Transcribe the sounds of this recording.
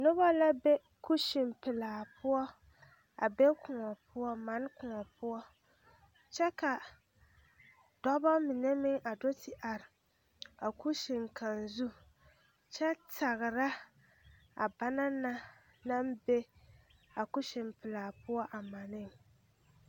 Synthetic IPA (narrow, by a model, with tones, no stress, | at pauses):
nʊ˦βa˦la˦be˦ | ku˦ʃɪ˨mpɪ˨laː˨pʊ˦ɔ˦ | a̰˨be˦kʰʊ˨ŋɔ˨pʊ˦ɔ˦ma˨˦n˦kʊ˨ŋɔ˨pʊ˦ɔ˦ | t͡ʃɛ˦ka˨ | d̥ɔ˦bɔ˦mɪ˨nɛ˦mɪ˦ŋʔa˨do˦tʰi˨ʔa˨ɾɪ˨ | a˨ku˦ʃɪ˨ŋ˨ka˨nzu˦ | t͡ʃɛ˦ta˨ɣɨ˨ɾa˦ | a˨ba˦na˦na˦ | na˦m˦be˦ | a˨ku˦ʃɪ˨mpɪ˨laː˨pʊ˦ɔ˦ʔa˨ma˨nɪ˦ŋ˨